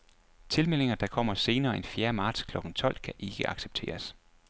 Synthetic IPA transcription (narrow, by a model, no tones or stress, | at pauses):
t͡sʰe̝lmel̰eŋɐd̥ɑ̈kʰɒ̽m̰ɐse̝ːnɐːe̝nfjeːɐmɑ̈ːd̥skʰlɒ̽ɡ̥n̩t͡sʰɒ̽l̰kʰæʔe̝ɡ̥əʔɑ̈ɡ̥seb̥̚t͡sʰe̝̰ːɐs